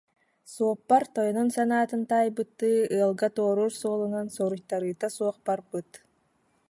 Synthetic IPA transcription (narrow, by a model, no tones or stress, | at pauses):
suɔpːaɾt̪ɔjɔnɔnsanaːt̪ɯnt̪ajbɯt̪ːɯːɯɐlˠɡat̪oːɾuːɾsoːlˠunansɔɾuɕt̪aɾɯːt̪asuɔq̚baɾbɯt̪